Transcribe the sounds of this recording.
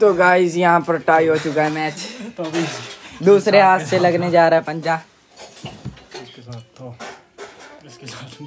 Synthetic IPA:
t̪oɡaːɪzjɐɦãpɐɾʈaːiɦoːt͡ʃʊkaɦɛmɛːt͡ʃ | d̪uːsɾeaːsselɐɡned͡ʒaːɾaːepɐ̃ɲd͡ʒãː

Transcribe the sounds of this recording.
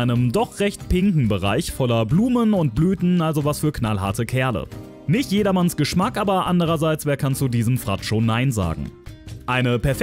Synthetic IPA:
aɪnəmdɔχʁ̥ɛçtpʰɪŋkŋ̩bəʁa̰ɪçfɔlɐbluːmənʊnt̚b̥lyːtn̩ʔalzovasfyːɐknalɦa̰ɐtəkʰɛɐlə̰ | nɪçtjeːɾɐmansɡ̥əʃmakʔaːbɐʔandəʁ̞ɐzaɪt͡sv̥eːɐkʰant͡sudiːzəmfʁ̥a̰tʃoːnːaɪnza̰ːɡŋ̩ʔaɪnəpɛɐf

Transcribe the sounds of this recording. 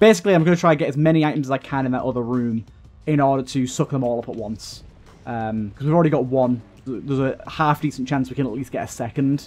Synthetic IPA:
b̥eɪsɪkliaɪ̃mɡʌnətʰɹ̥aɪ̃nɡɛtəzmɛɾ̃iaɪtəm̩zəzaɪkʰãnɪ̃nðə̰ʔʊðəɹʉ̃ːm | ɪ̃ɾ̃ɔːɾətʰəsʊk̚ðə̃mɔːlˠʊpəʔwʌ̃ns | ʔʌ̃mkʰɒzwivlˠɹɛɾiɡɒʔwʌ̃n | zðəzəhaˑfd̥iˑsə̃n̩t͡ʃʰãnswikə̃nəʔliˑsɡ̥ɛtəsɛkə̃nd̥

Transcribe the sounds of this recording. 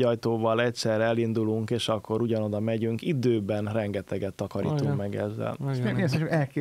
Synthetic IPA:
ɒjt̪oːvɒlɛct̪sɛrɛɛlind̪uluŋkeːʃɒkːo̞ɾuɟɒno̞d̪ɒmɛɟyŋkid̪øːbɛnrɛŋɡɛt̪ɛɡɛt̪ːɒkɒɾḭtt̪ummɛɡɛzːɛ̰lʃeneseʃɛlkeː

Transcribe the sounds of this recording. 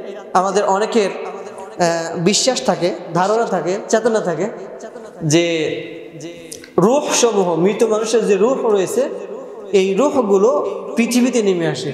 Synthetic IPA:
amad̪eɾʔɔnekeɾ | biʃːaʃt̪ʰaked̪ʱaɾonat̪ʰaket͡ɕɛt̪onat̪ʰake | d͡ʑe | ɾuhʃɔmuɦomɾit̪omanuʃeɾd͡ʑeɾuhɾojet͡ɕʰe | ejɾuhɡulopɾit̪ʰibit̪enimeaʃe

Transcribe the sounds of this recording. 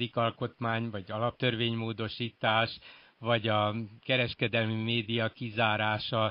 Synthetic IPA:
d̪ikɒlko̞t̪maːɲvɒɟɒlɒp̚t̪ørveːɲmoːd̪o̞ʃiːt̪aːʃ | vɒɟɒkɛɾɛʃkɛd̪ɛlmimeːd̪ijɒkizaːɾaːʃɒ

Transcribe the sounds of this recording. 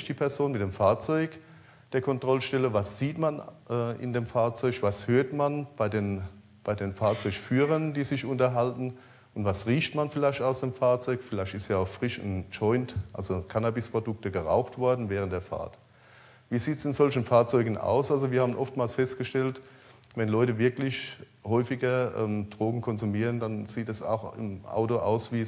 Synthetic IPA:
çd̥iːpʰɛɐzoːnmɪtd̥eːmfaːɐt͡sɔʏk | d̥eːɐkʰɔntʁ̥ɔlʃtɛləvasz̥iːtmanʔːɪ̰ndeːmfaːɐt͡sɔʏçv̥ashøːɐtmanb̥aɪdeːn | b̥aɪdeːnfaːɐt͡sɔʏçfyːʁəndiːzɪçʊntɐɦaltn̩ | ʔʊntv̥asʁiːçtmanfɪlaɪçtaʊsd̥eːmfaːɐt͡sɔʏkfɪlaɪçtɪstiːaʊxfʁ̥ɪʃʊ̰nt͡ʃɔʏntʔa̰lzokʰanabɪspʁ̥odʊk̚təɡəʁa̰ʊxtv̥ɔɐdn̩vɛːʁ̞ənd̥eːɐfa̰ɐt | viːziːtsɪnzɔlçən̩faːɐt͡sɔʏɡn̩ʔa̰ʊsʔalzoviːɐhaːbənʔɔftmaːlsfɛstɡ̥əʃtɛlt | vɛnlɔʏtəvɪɐklɪç | hɔʏfɪɡɐʔɛ̰ːmd̥ʁoːɡŋ̩kʰɔnzumiːʁəndanz̥iːtɛsa̰ʊxɪ̰mʔa̰ʊtoʔa̰ʊsviː

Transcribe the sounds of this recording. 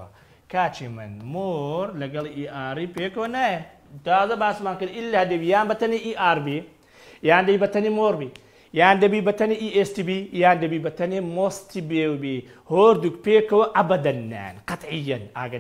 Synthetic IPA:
a̰ | kat͡ʃimɐ̰nmoːɾlɐɡɐliʔaɾipekɐwɐnaj | d̪aːzɐbaːsmaŋkɐnilːahɐdɐbijaːnbɐt̪ɐniʔiʔaɾbi | jaːndɐibɐt̪ɐnimoɾbi | jaːndɐbibɐt̪ɐniʔiestibijandɐbibɐt̪ɐnimɔst̪ibewbi | hoɾd̪ukpekɐwʔɐbɐd̪ɐnːa̰nqɐt̪ʕijːɐna̰ɡɐ

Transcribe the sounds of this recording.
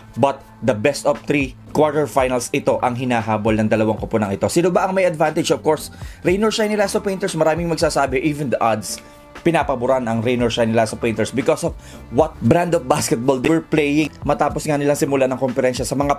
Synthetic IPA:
bɐt̪̚ | d̪ɐbɛst̪ɔvt̪ɾi | kwaɹt̪ɛɹfajnɐlsɪt̪o̞ʔɐŋɦɪnaːɦaːbolnɐŋd̪ɐlɐwaŋkoponɐŋʔɪt̪o̞sinobɐʔɐŋmɐjɐd̪vant̪ɪd͡ʒɔv̥koɹsɾejnɔɹʃajnɪlasɐpẽjnt̪ɛɹsmɐɾaːmɪŋmɐɡ̚saːsaːbɛʔiːvɛnd̪ɐʔad̪s | pɪnaːpɐbʊɾanɐŋɾejnɔɹʃajnɪlasɐpejnt̪ɛɹsbɪkosɔvwɐt̪̚bɾãnd̪ovbaskɛt̪̚bold̪wɛɹplejɪŋmɐt̪aːposŋanɪlaŋsɪmʊlanɐŋkomfɛɾɛnʃɐsɐmɐŋa

